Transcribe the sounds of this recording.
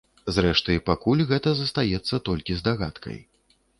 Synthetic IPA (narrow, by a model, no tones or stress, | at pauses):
zrɛʂt̪ɨjpakulʲɣɛt̪ɐzɐst̪ajɛt̪sːɐt̪ɔlʲkʲizd̪aɣat̪kʰɐ̰j